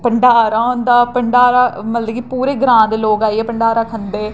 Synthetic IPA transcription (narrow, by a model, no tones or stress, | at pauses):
pəɳɖaːɾaːʊnd̪aːpəɳɖaːɾaːmət̪ləɡipuːɾeːɡəɾãːd̪eːloːkaːiɛːpəɳɖaːɾaːkʰənd̪eː